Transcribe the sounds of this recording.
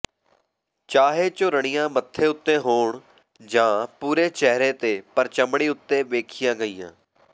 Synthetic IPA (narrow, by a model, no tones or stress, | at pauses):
t͡ʃaːɦeːt͡ʃoɾəɳɪjãːmət̪ʰːeːʊt̪ːẽːɦoːɳ | d͡ʒãːpuːɾeːt͡ʃɛɦɾeːt̪eːpəɾt͡ʃəmɽiːʊt̪ːeːʋeːkʰɪjãːɡəiːjã̰ː